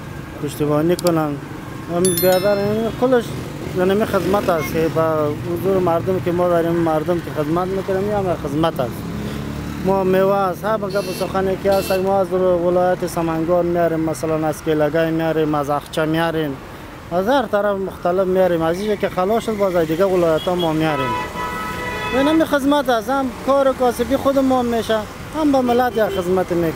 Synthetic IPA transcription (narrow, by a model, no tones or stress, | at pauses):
pʊʃt̪ibɔnikʊnan | ambed̪aɾikʊlɪʃ | anamixɪzmat̪askebaʊzuɾmaɾd̪ʊmkemɔd̪aɾimmaɾd̪ʊmkexɪd̪mat̪mekʊɾamiamaxɪzmat̪as | mɔmewashaɾbaɡabusʊxanekiast̪aɡmɔazɾwɪlɔːjat̪esamaŋɡɔɾmjaɾimmːasalanaskelaɡajmjaɾimazaxt͡ʃamjaɾin | azhaɾt̪aɾafmʊxt̪alɪfmjaɾimaziʒakexalɔʃʊd̪bazajd̪iɡawɪlɔjat̪ɔmɔmjaɾin | jenamixɪzmat̪asamkɔːɾekɔsɪfixʊd̪əmɔmːeʃa | hambamɪlat̪jaxɪzmat̪eme